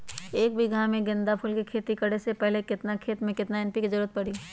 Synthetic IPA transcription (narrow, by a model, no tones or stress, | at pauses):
eːk̚bʱiɡʱãmẽɡɪ̃nd̪apʰʊlkekʰeːt̪ikɐɽesepɛɦlekɪt̪nakʰeːt̪mẽkɪt̪naɪnpikizɐɾuːət̪̚pɐɽiː